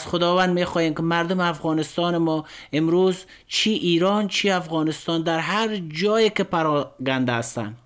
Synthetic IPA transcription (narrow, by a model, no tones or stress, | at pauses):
zχʊd̪ɔvand̪mexɔːjeːmkɪmaɾd̪ʊmɪafɣɔːnɪst̪ɔːnɪmɔɪmɾuz | t͡ʃʰiʔiːɾɔnt͡ʃʰiafɣɔːnɪst̪ɔːnd̪aɾɦaɾd͡ʒɔːjekɪpaɾɔɡand̪aːst̪a̰n